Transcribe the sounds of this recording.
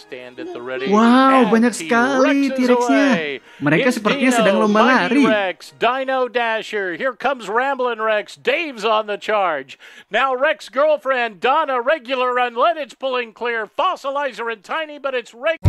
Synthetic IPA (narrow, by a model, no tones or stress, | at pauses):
stæ̃nɨt̪əɹɛɾwawbaɲaksə̥kalit̪iɾɛksɲa | məɾekasəpərt̪iɲasədaŋlombalaɾiɛksd̥ãɪ̃noʊdæʃə˞hiɹkʰʌ̃mzɹæ̃mbl̩ˠɪ̃nɹɛksd̥eɪvzn̩ðɨt͡ʃʰɑɹd͡ʒnaʊɹɛksɡ̥ɜ˞lˠfɹɛ̃ndɑnəɹɛɡjl̩ˠə˞ːʌ̃nlɛɾɨtspʰʊlˠɪ̃ŋkʰl̥ɪɹfɑsəlaɪzə˞ɨ̃ntʰãɪ̃nibʌɾɨtsɹɛ